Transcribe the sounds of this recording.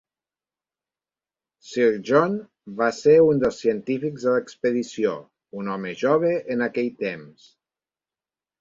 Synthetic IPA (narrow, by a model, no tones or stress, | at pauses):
siɾʒon | βaseɾund̪əlˠsiənt̪ifikzðələkspəðisio̰ | unɔməʒɔβəʔːnakɛʎt̪ems